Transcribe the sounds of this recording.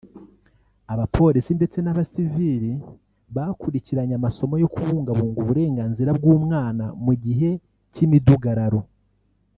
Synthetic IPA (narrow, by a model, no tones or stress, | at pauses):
aβapʰo̞ːɾisinde̞t͡se̞naβasiviɾi | βakuɾiciɾaɲamaso̞mojo̞kuβuːŋɡaβuːŋɡuβuɾe̞ːŋɡaːnziɾabɡuːmŋaːnamuɟiɦe̞ | cimiduɡaɾaɾo̞